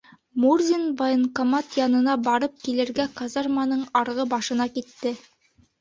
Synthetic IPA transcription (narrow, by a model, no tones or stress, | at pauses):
murzʲinvajɤŋkomat̪jɑnɤ̆nɑbɑɾɤp̚kilɘ̆ɾɡæqɑzarmanɤɴɑɾʁɤbɑʃɤ̆nɑkit̪ːɘ